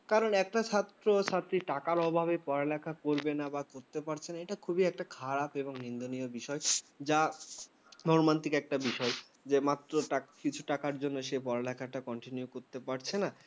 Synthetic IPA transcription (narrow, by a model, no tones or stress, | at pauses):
kaɾonɛk̚ʈat͡ɕʰat̪ɾot͡ɕʰat̪ːɾiʈakaɾɔbʱaβepɔɾalɛkʰakoɾbenabakoɾt̪epaɾt͡ɕʰenaeʈakʰubiɛk̚ʈakʰaɾapeboŋnind̪onijobiʃɔed͡ʑa | mɔɾmant̪ikɛk̚ʈabiʃɔe | d͡ʑemat̪ːɾoʈakit͡ɕʰuʈakaɾd͡ʑonːoʃejpɔɾalɛkʰaʈakɔɳʈinjukoɾt̪epaɾt͡ɕʰena